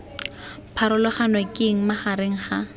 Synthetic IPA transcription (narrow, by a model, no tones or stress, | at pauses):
pʰaɾʊlɔχanwakʼɪŋ̩maχaɾeŋ̩χa